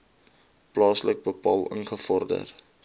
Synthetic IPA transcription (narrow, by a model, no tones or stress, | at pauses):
plɑːslək̚bəpɑːlˠə̰ŋχəfɔrdə̰r